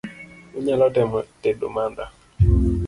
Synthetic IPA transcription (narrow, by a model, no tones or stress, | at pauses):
uɲalɔtɛmɔtɛdo̰manda